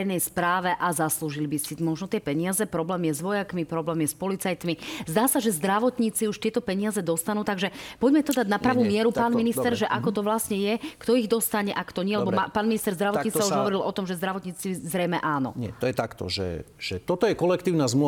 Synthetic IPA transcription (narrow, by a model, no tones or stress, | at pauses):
ɛjnɛjspɾaːʋɛʔazasluːʒilbisimɔʒnɔt̪ɪɛpɛɲɪazɛpɾɔblɛːmjɛzʋɔjakmipɾɔblɛːmjɛspɔlit͡sajt̪mizd̪aːsaʒɛzd̪ɾaʋɔt̪ɲiːt͡siuʃt̪ɪɛt̪ɔpɛɲɪazɛd̪ɔst̪anuːt̪aɡʒɛpɔɟmɛt̪ɔd̪aɟnapɾaʋuːmɪɛɾut̪paːnminist̪ɛɾʒɛʔakɔt̪ɔʋlasɲɛjɛkt̪ɔiɣd̪ɔst̪aɲɛʔakt̪ɔɲɪɛlɛɛbɔmapaːnminist̪ɛɾzd̪ɾaʋɔɲit͡s̪auʒɦɔʋɔɾilɔt̪ɔmʒɛzd̪ɾaʋɔt̪ɲiːt͡sizɾɛjmɛʔaːnɔ̰ɲɪɛ̰t̪ɔjɛt̪akt̪ɔ̰ʒɛ̰ʒ̥ɛt̪ɔt̪ɔjɛkɔlɛkt̪iːʊnazml